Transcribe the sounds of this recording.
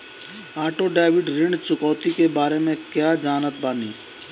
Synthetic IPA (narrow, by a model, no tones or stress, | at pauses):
aːʈoɖaːɪʋɪɖɾɪ̃ɳɖt͡ʃʊkɔːt̪ikebaːɾemẽkjaːd͡ʒaːnət̪̚baːniː